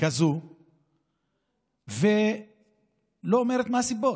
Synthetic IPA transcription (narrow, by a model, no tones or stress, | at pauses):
kazu | ve | loːmeʁet̪masibo